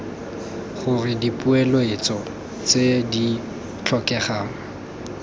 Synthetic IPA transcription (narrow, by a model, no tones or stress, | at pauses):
χʊrɪdipʼuɛlɔet͡sɔ | t͡sedi | t͡ɬʰɔkɛχaːŋ̩